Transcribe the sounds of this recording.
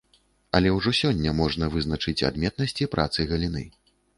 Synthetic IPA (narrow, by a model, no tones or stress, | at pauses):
ɐlʲɛwʐɔsʲɔnʲːɐmɔʐnɐvɨznɐt͡ʂɨt͡sʲa̰d̪mʲɛt̪̚nɐsʲt͡sʲipɾʔa̰t̪sɨɣɐlʲinɨ